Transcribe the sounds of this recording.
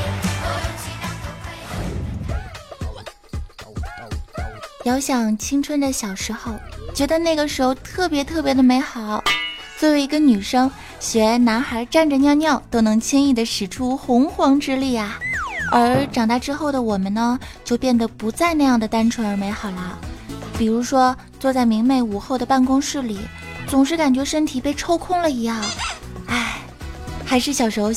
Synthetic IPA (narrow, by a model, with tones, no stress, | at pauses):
jɑ˧˥ʊɕjɑ˨˩ŋt͡ɕʰi˥ŋʈ͡ʂʰwə˥nd̪ə˨ɕjɑ˨˩ʊʂɻ̩˧˥xo˥˩ʊt͡ɕɥɛ˧˥d̪ə˧na˥˩ɪɡə˩ʂɻ̩˧˥xo˧ʊt̪ʰɤ˥˩pjɛ˧˥t̪ʰɤ˥˩pjɛ˧˥d̪ə˧me˧˥ɪxɑ˨˩˦ʊt͡swɔ˥˩we˧˥ɪi˧˥ɡə˧ny˨˩ʂɤ˥ŋ | ɕɥɛ˧˥na˧˥nxa˧˥ʈ͡ʂa˥˩nʈ͡ʂə˩njɑ˥˧ʊnjɑ˥˩ʊt̪o˥ʊnɤ˧˥ŋt͡ɕʰɛ˥ni˥˩d̪ə˩ʂɻ̩˨˩ʈ͡ʂʰu˥xʊ˧˥ŋxwɑ˧˥ŋʈ͡ʂɻ̩˥li˥˩ɐ˩ə˞˧˥ʈ͡ʂɑ˨˩ŋt̪a˥˧ʈ͡ʂɻ̩˥xo˥˩ʊd̪ə˩wɔ˨˩mə˦nə˧t͡ɕjo˥˧ʊpjɛ˥˩nd̪ə˩pu˧˥t͡sa˥˧ɪna˥˧jɑ˥˩ŋd̪ə˩t̪a˥nʈ͡ʂʰwə˧˥nə˞˧˥me˧˥ɪxɑ˨˩ʊlə˦pi˨˩ɻu˧˥ʂwɔ˥ | t͡swɔ˥˧t͡sa˥˩ɪmi˧˥ŋme˥˩ɪu˨˩xo˥˩ʊd̪ə˩pa˥˩nkʊ˥ŋʂɻ̩˥˩li˨˩˦ | t͡sʊ˨˩ŋʂɻ̩˥˩ka˨˩nt͡ɕɥɛ˧˥ʂə˥nt̪ʰi˨˩pe˥˩ɪʈ͡ʂʰo˥ʊkʰʊ˥˩ŋlə˨i˧˥jɑ˥˩ŋ | a˥˩ɪ | xa˧˥ɪʂɻ̩˥˩ɕjɑ˨˩ʊʂo˧˥